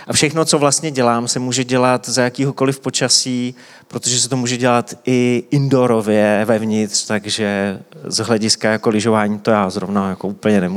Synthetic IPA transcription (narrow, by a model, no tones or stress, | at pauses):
ʔafʃɛxno̞t͡so̞vlast̪ɲɛɟɛlaːmsɛmuːʒɛɟɛlat̪zajakiːɦo̞ko̞lɪfpo̞t͡ʃasiː | pɾo̞t̪oʒɛs̬ɛt̪o̞muːʒɛɟɛlat̪ʔɪʔɪndo̞ɾo̞vjɛvɛvɲɪt̪r̥t̪aɡʒɛzɦlɛɟɪskajako̞lɪʒo̞vaːɲiːt̪o̞jaːzɾovnajakoʔuːpl̩ɲɛnɛmu